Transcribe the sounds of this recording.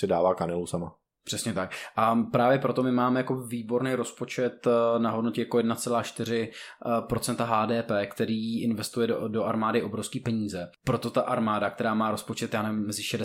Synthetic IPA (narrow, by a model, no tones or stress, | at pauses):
sɪdaːvaːkanɛlusama | pr̥ɛsɲɛt̪ak̚ʔapɾaːvjɛpɾo̞t̪o̞mɪmaːmɛjako̞viːbo̞ɾnɛjɾo̞spo̞t͡ʃɛt̪naɦo̞dno̞cɛjakojɛdnat͡sɛlaːʃt̪ɪɾ̝ɪpɾo̞t͡sɛnt̪aɦaːdɛːpɛːkt̪ɛɾiːʔɪnvɛst̪ujɛdo̞ʔaɾmaːdɪʔo̞bɾofskiːpɛɲiːzɛpɾot̪o̞t̪aʔaɾmaːdak̚t̪ɛɾaːmaːɾo̞spo̞t͡ʃɛt̪jaːnɛvɪmːɛzɪʃɛdɛ